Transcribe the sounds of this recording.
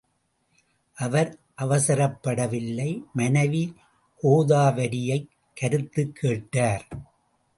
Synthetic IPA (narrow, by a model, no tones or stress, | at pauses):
ʔɐʋɐɾ | ʔɐʋɐsɐɾɐpːɐɽɐʋɪlːɐɪmɐnɐʋi | hoːðaːʋɐɾɪjɐɪː | ɐɾɯt̪ːɯkʰːeːʈːaːɾ